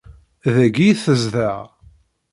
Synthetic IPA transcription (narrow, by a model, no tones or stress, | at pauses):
ðæɡiθəzðæʁ